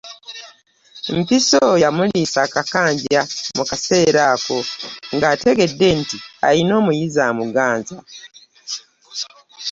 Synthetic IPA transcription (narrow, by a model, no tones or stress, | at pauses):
m̩pisojamulisaːkakaːɲɟamukase̞ːɾaːko̞ŋɡaːte̞ɡe̞dːe̞ntia̰lino̞ːmujizaːmuɡaːnza